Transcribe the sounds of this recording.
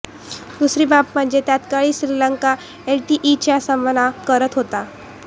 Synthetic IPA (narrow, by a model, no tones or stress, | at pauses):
d̪usɾiːbapm̤əɳd͡ʑet̪jat̪kaɭiːɕɾilaŋka | elʈiʔit͡ɕjasəmʋənakəɾət̪ɦot̪a